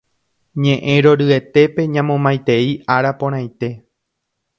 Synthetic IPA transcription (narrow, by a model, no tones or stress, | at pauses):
ɲẽʔẽɾo̞ɾɨe̞t̪e̞pe̞ɲãmõmãjt̪e̞iaɾapõɾ̃ãj̃t̪e̞